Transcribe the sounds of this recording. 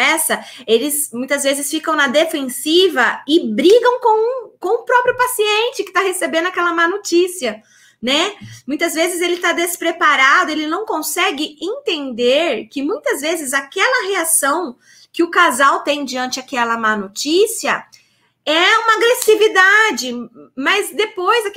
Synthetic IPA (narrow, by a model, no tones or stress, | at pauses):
ɛsɐelɪsmũj̃t̪ɐzvezɪsfikɐ̃w̃nɐd̪efẽsivɐɪbɾiɡɐ̃w̃kõw̃kõʊpɾɔpɾjʊpasiẽnt͡ʃɪkɪ̥t̪aɦesebẽnd̪ʊakɛlɐmanot͡ʃisiɐ | nɛmũj̃t̪ɐzvezɪzelɪt̪ad̪espɾepaɾad̪ʊelɪnɐ̃w̃kõsɛɡɪẽnt̪ẽnd̪eɾkɪmũj̃t̪ɐzvezɪzakɛlɐɦeasɐ̃w̃ | kɪʊkazawt̪ẽj̃d͡ʒiɐ̃nt͡ʃɪakɛlɐmanot͡ʃisiɐ | ɛũmɐaɡɾesivid̪ad͡ʒɪmɐzd̪epojzɐ